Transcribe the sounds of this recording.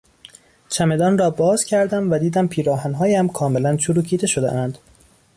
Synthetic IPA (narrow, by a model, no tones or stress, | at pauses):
t͡ʃʰæme̞d̪ɒːnrɒːbɒːz̥cʰæɾd̪æmvæd̪iːd̪æmpʰiːɾɒːhænɦɒːjæmkʰɒːme̞lænt͡ʃʰuɾuːcʰiːd̪e̞ʃod̪ḛʔænd̪̥